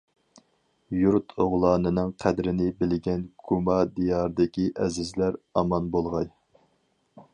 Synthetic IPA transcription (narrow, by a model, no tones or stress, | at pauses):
juɾt̪ʰoʁlˠɑːnɨnɪŋqʰæd̪ɾɪnɪbɪlɡʲɛnɡ̥ʰumɑd̪ijɑɾd̪ɪkʲiʔɛzɪzlæɾɑmɑnbolˠʁɑj